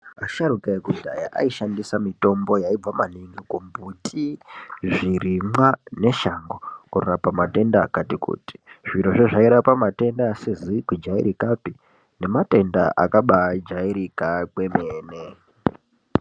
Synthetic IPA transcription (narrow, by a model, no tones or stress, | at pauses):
aʃaɾukaekudʱaja̰ʔa̰iʃandisamito̞mbo̞jaib͡vamaniŋɡikumbutʰiʐirimwane̞ʃaŋɡokurorapamate̞ndakatikṵːti̥ʐ̥iɾoʐeʐaiɾapamate̞ndasizikwid͡ʒaḭɾikapi | ne̞mate̞nda̰ʔa̰kaɓad͡ʒaiɾikakwe̞meːne